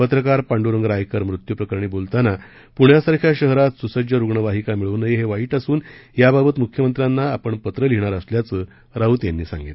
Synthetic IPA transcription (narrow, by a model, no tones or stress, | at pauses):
pət̪ɾəkaɾpaɳɖuɾəŋɡəɾajkəɾmɾut̪jupɾəkəɾɳiːbolt̪ana | puɳ̤jasaɾkʰjaɕəɦɾat̪susəd͡ʑjəɾuɡɳəʋaɦikamiɭunəjeɦeʋaiːʈasuːnjababət̪mukʰjəmənt̪ɾjanːaːpəɳpət̪ɾəliɳ̃aɾəsljat͡sə | ɾaɦuːt̪janːiːsa̰ŋɡit̪